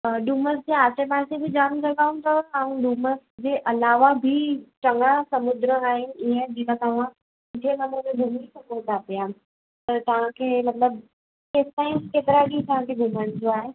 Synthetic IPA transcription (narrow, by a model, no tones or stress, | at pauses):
ɗuːməs̬d͡ʑeaːt͡ɕepaːɾsebɪd͡ʑaːmd͡ʑɐɡaːũt̪ɐãːũɖuːməsd͡ʑeːʔɐlaːʋabʱit͡ɕɐŋasɐmʊd̪ɾəaːɦɪnɪ̆iə̃d͡ʑikãt̪ɐʋ̤ã | ɪt̪ʰienɐməɾmẽɡʱumisɐpoːɾd̪apija | t̪ɐt̪ɐʋ̤ãkʰeːmɐt̪ləb | esʈaːɪ̃mskeːt̪ɪɾaɽit̪ɐʋ̤ãkʰeɡʱʊməɽ̃ɪ̃d͡ʑoaːɦe